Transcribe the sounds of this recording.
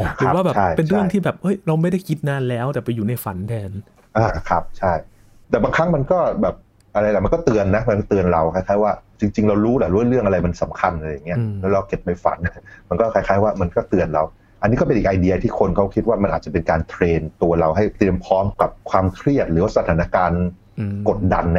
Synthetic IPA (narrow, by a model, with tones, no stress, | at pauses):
ʔɔ˨˩kɾɯ˨˦waː˥˩bɛː˧˨a˥˩jpe˧nɾɯ˥˩ə˨ŋt̪ʰiː˥˩bɛː˨˩p̚ʔɤ˦˥jɾa˧wma˥˩jda˥˩jkʰi˦˥t̪̚naː˧nlɛː˦˥wt̪ɛː˨˩pa˧jːuː˨˩na˧jfa˨˩˦ndɛː˧n | ʔaː˧˩kʰa˦˥p̚t͡ɕʰa˥˩j | t̪ɛː˨˩baː˧ŋkʰa˦˥ŋma˧nkɔː˥˩bɛː˨˩p̚ | ʔa˧ɾa˧jlɛ˨˩m˧nkɔː˥˩t̪ɯ˧ənːa˦˥ma˧nkɔː˥˩t̪ɯ˧ənɾa˧wkʰa˧˥jkʰaː˥˩jwaː˥˩t͡ɕi˧ŋt͡ɕi˧ŋɾa˧wɾuː˦˥lɛ˨˩ɾu˦˥˦ɾɯ˥˩əŋʔa˧ɾa˧jma˧nsa˩˦mkʰa˧nʔaː˧ja˨˩ŋːi˦˥ɐlɛː˦˥wɾa˧wke˨˩t̪̚ma˧˥˩jfa̰˩˦n˥ma˧nkɔː˥˩kʰa˧˥jkʰaː˦˥˩jwaː˥˩ma˧nkɔː˥˩t̪ɯ˧ənɾa̰˧w | ʔa˧nːiː˦˥kɔ˥˩pe˧nʔːk̚ʔa˧jdi˧ɐ˧t̪ʰiː˥˩kʰo˧nkʰa˦˥wkʰi˦˥t̪̚waː˥˩ma˧nʔaː˨˩t̪̚t͡ɕa˨˩pe˧nkaː˧nt̪ʰɾeː˧nt̪u˧ɐɾa˧wɦa˥˩jt̪ɾi˧əmpʰɔː˦˥mka˨˩p̚kʰwaː˧mkʰɾi˥˩ət̪̚ɾɯː˩˦waː˥˩sa˧t̪ʰaː˨˩˦na˦˥˧kaː˧n | ko˨˩t̪̚da˧nːa˦˥